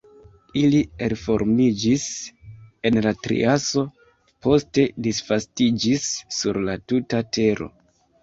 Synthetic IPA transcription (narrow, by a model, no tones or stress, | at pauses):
ilielfo̞̰ɾmid͡ʒis | e̞nlatɾḭʔaso̞ | po̞ste̞disfastid͡ʒisːuɾlatutatʰe̞ɾo̞̰